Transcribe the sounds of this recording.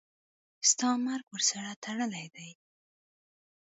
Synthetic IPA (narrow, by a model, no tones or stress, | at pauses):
st̪ɑmaɾɡwəɾsaɽat̪ʰaɽəlajd̪aj